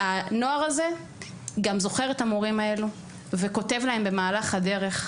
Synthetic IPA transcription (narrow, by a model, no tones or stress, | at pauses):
ano̞aʁaze̞ | ɡamzo̞χe̞ʁetamoʁimae̞lu | ve̞ko̞te̞vlahe̞mbe̞maːlaχhade̞ʁe̞χ